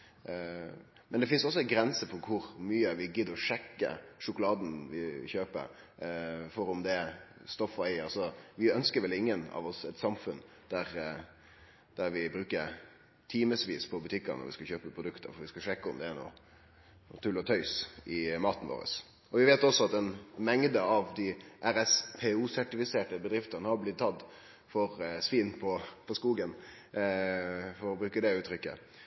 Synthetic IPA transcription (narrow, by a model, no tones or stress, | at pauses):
mɛnd̪ɛfɪnsɔsːɔɛnɡɾɛnsəfɔɾkʰʊɾmyːəʋɪɡɪd̪ːɔʂɛkːə̰ʂʊkʊlɑːd̪n̩ʋɪçøːpə̰ɾ | fɔɾʊmd̪ɛst̪ɔfːɔæɪəɾɑsɔʋɪœnskəɾʋɛlɪŋːənɑ̰ʋɔsɛt̪sɑmfʉn | d̪̥æɾ | d̪̥æɾʋɪbɾʉːkəɾ | t̪ʰiːməsʋiːspʰɔbʉt̪ʰɪkːə̰ɾnɔ̰ɾʋɪ̰skɑçøːpəpʰɾʊd̪ʉkt̪ʰə̰ɾfɔʋɪskɑʂɛkːəɔ̰md̪ɛæɳṵː | t̪ʰʉlːɔt̪ʰœʏsɪmɑːt̪n̩ʋo̰ːɾə̰s | ɔʋɪʋeːt̪ɔsːɔɑt̪ɛnmɛŋd̪əɑʋd̪ɪʔæɾɛspʰeːuːsæʈɪfɪseːʈəbəd̪ɾɪft̪ənəhɑɾblɪt̪̚t̪ʰːɑd̪ | fɔɾsʋiːnpʰɔpʰɔskuːɡən | fɔɾɔbɾʉːkəd̪ɛʉːt̪ɾʏkːə̰